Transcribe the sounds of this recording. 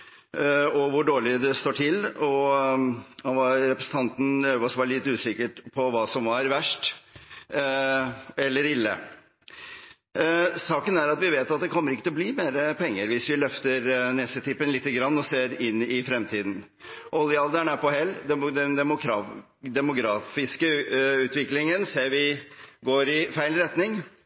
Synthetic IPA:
ɔʋʊɖoːɭɪd̪ɛst̪oːʈʰɪlɔ | ɔʋɑɾɛpɾəsn̩t̪ʰɑnt̪n̩øːʋɔsʋɑːɾɭɪt̪ːʉːsɪkːəʈpʰɔʋɑːsɔmʋɑɾʋæʂʈ | ɛlːəɾɪlːə̰ | sɑːkənæɾɑt̪ʋɪʋeːt̪ɑt̪̚d̪ɛkʰɔmːəɾɪkːət̪ʰɪlɔbliːmeːɾəpʰɛŋːəɾʋɪsʋɪlœft̪əɾnɛsət̪ʰɪpːənlɪt̪ːəɡɾɑnːɔseːɾɪnːɪfɾɛmt̪ʰiːd̪n̩ | ʔɔlɪɑld̪æɳæpɔhɛlːd̪ɛnd̪ɛmʊɾɑ | d̪ɛmʊɡɾɑːfɪskəʉːt̪ʋɪklɪŋənseːɾʋɪɡoːɾɪfæɪlɾɛt̪nɪŋ

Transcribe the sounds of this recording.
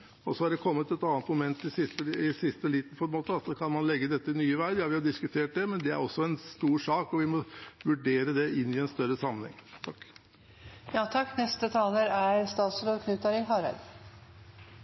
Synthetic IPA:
ɔsɔhɑɖɛkʰɔmːət̪ɛt̪ɑːnt̪mʊmɛnt̪ɪsɪst̪əɪsɪst̪əliːt̪̩fɔɾmoːt̪ːəɑt̪sɔkʰɑnmɑnlɛɡːəd̪ɛt̪ːəɪnyːəʋæɪɾjɑːʋɪhɑd̪ɪskʉt̪ʰeːʈ̚d̪ɛmɛnd̪ɛæ̰ɾɔsːɔɛnst̪uːʂɑːkɔʋɪmɔʋʉɖeːɾəd̪ɛɪnːɪɛnst̪œɾəsɑmːənɛɪ̰ŋt̪ʰɑkː | jɑːt̪ʰɑkːnɛst̪ət̪ʰɑːləɾæɾst̪ɑːt̪sloːʋkʰnʉːt̪ɑɾɪɦɑːɾæ̰d̪

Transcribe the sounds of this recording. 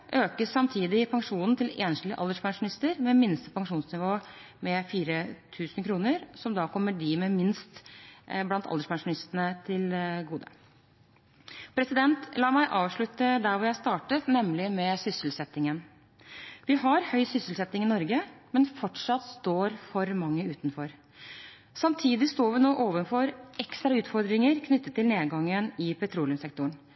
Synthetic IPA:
ʔøːkəsːɑmt̪ʰiːd̪ɪpʰɑŋʂuːnn̩t̪ɪleːnʂlə̰ʔɑ̰ld̪əʂpɑŋʂʊnɪst̪əɾmɛmɪnst̪əpʰɑŋʂuːnsnɪʋoː | mɛfiːɾət̪ʰʉːsnkʰɾuːnəɾsɔmd̪ɑːkʰɔmːəɖɪmɛmɪnst̪blɑnt̪ʰɑ̰d̪əʂpʰɑŋʂʊnɪst̪ənət̪ʰɪlɡuːd̪ə̰ | pʰɾɛsɪd̪ɛnt̪lɑːmæɪʔɑːʋʂɭʉt̪əd̪æɾʋʊjæɪst̪ɑːʈət̪nɛmlɪmɛsʏsəlsɛt̪ːɪŋən | ʋɪhɑɾhœʏsʏsəlsɛt̪ːɪŋɪnɔɾɡəmɛnfɔʈʂɑt̪ːst̪oːɾfɔɾmɑŋːəʉːt̪nfɔɾ | sɑmt̪ʰiːd̪ɪst̪oːʋɪnoːʔoːʋənfɔɾɛkst̪ɾɑʉːt̪fɔɾd̪ɾɪŋəɾkʰnʏt̪ːət̪ːɪlneːd̪ɡɑŋːənɪpʰɛt̪ʰɾuːlɪʉmsɛk̚t̪ʊəɳ

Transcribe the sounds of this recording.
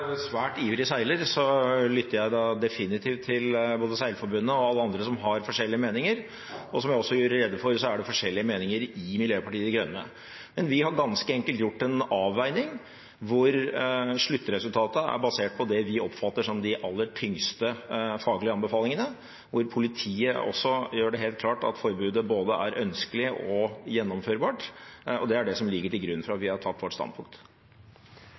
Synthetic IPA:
sʋæːʈiːʋɾɪsæɪləɾsɔlʏt̪ːəɾjæɪd̪ɑd̪ɛfɪnɪt̪ʰiːft̪ʰːɪlboːd̪əsæɪləfɔɾbʉnːəɔɑlːəɑnd̪ɾəsɔmɦɑɾfɔʂɛlːɪəmeːnɪŋəɾ | ɔsɔmjæɪɔsːɔjʉːɾəɾɛd̪ːəfɔɾsɔæɖɛfɔʂɛlːɪəmeːnɪŋəɾɪmɪljøːpɑʈiːəd̪ɪɡɾœnːə̰ | mɛnʋɪhɑɾɡɑnskəɛŋkəlt̪jʊʈːɛnɑːʋːæɪnɪŋ | ʋʊɾʂɭʉt̪ːəɾɛsʉlt̪ʰɑːt̪əæ̰ɾbɑseːʈ̚pʰɔd̪ɛʋɪʔɔpːfɑt̪ːəʂɔmd̪ɪʔɑlːəʈʰʏŋst̪əfɑːɡlɪəɑnbəfɑːlɪŋənə | ʋʊɾpʰʊlɪt̪ʰiːəʔɔ̰sːɔjøːɖɛɦeːlt̪̚kʰlɑːʈɑ̰t̪fɔɾbʉːd̪əboːd̪əæɾʔœnskəlɪəʔɔjɛnːɔmføːɾbɑːʈɔd̪ɛæɖɛsɔmlɪɡːəʈɪlɡɾʉnːfɔɾɑt̪ʋɪhɑʈʰɑt̪ːʋɔʈst̪ɑ̰n̚pʰʊŋk̚t̪

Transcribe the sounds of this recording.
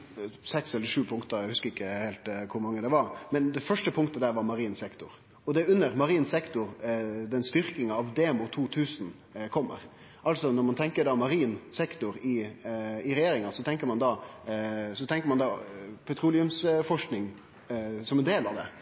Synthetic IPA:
sɛksɛlːəʂʉːpʰʊŋkt̪əɾæɪhʉskəɾɪkːəheːlt̪kʰʊɾmɑŋːəd̪ɛʋɑɾmɛnd̪ɛfœʂʈəpʰʊŋk̚t̪əd̪æːɾʋɑɾmɑɾiːnsɛkt̪ʊɾ | ɔd̪ɛʉnːəɾmɑɾiːnsɛkt̪ʊɾd̪ɛnst̪ʏɾkɪŋɑɑʋd̪eːmʊt̪ʰuːt̪ʰʉːsn̩ | kʰɔmːə̰ɾ | ʔɑlsɔnɔɾmɑnt̪ʰɛŋkəɖɑːmɑɾiːnsɛkt̪ʊɾɪ | ɪɾɛjeːɾɪŋɑsɔt̪ʰɛŋkəɾmɑnd̪ɑ | sɔt̪ʰɛŋkəɾmɑnd̪ɑpʰɛt̪ʰɾuːlɪʉmsfɔʂknɪŋ | sɔmɛnd̪eːlɑʋd̪ɛ̰

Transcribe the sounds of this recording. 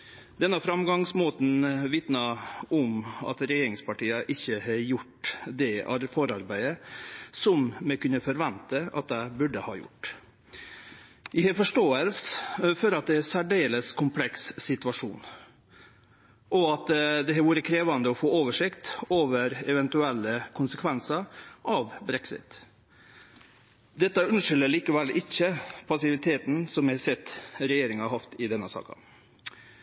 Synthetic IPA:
d̪̥ɛnːəfɾɑmɡɑŋsmoːt̪n̩ʋɪt̪nɑɔmɑ̰t̪ɾɛjeːɾɪŋspɑʈiːəʔɪçːəhɛjʊʈd̪ɛɑ̰ɾfɔɾɑɾbæɪəsɔmmɛkʉnəfɔɾʋɛnt̪əɑ̰t̪̚d̪æɪbʉɖəhɑ̰ːjʊ̰ʈː | ɪhɛfɔʂʈoːəlsfɔɾɑt̪̚d̪ɛæsæɖeːləskʰʊmpʰlɛksːɪt̪ʉɑʂṵːn | ʔɔɑt̪d̪ɛhæʋuːɾəkʰɾeːʋɑnd̪əɔfoːoːʋəʂɪkt̪oːʋəɾɛʋɛnt̪ʉɛlːəkʰʊnsəkʰʋɛnsəɾʔɑʋbɾɛksɪ̰t̪ | d̪ɛt̪ːɑʉnʂɪlːəɭiːkəʋɛlɪçːəpʰɑsɪʋɪt̪ʰeːt̪n̩sɔmæsɛt̪ːɾɛjeːɾɪŋɑhɑft̪ɪd̪ɛnːəsɑ̰ːkɑ̰

